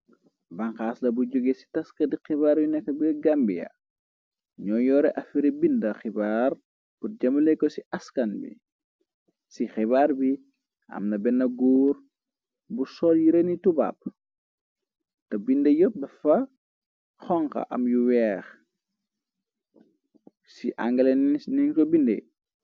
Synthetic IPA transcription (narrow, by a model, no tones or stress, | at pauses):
bɐŋxaːslɐbuɟɔɡesi̥tɐskɐdixibaːɾbinɛkːɐbiɡambḭjɐ̰ | ɲɔːjɔːɾɛʔɐfiɾibindɐxibaːr | purɟɐmulɛkɔsiʔɐskɐnbḭ | sixibaːɾbi | ʔɐ̰mnɐbɛnːɐɡuːr | busɔːljiɾɛnituba̰p̚ | tɐbindɐjɔp̚dɐfɐ | xɔŋkɐ̰ʔɐ̰mjuwɛːx | siʔa̰ŋɡɐlɛnninkɔbindḛ